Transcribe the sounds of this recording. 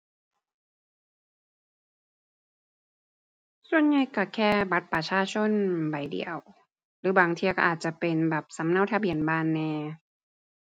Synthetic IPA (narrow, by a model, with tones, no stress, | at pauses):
su˧˨ənɲa˧˩jka˧˩kʰɛː˧˩ba˨˧˦t̪̚pa˧t͡ɕʰaː˧˥˨t͡ɕʰo˧˥˨nba˨˩jdḭ˧˩˨əw | lɯː˨˦baː˨˩ŋt̪ʰi˧kɔ˧˩ʔaː˨˩t̪̚t͡ɕa˧˩pe˨nbɛː˨˩p̚sa˨˦mna˧˥˨wt̪ʰa˧bi˨˩˨ənbaː˧˩˨nːɛː˧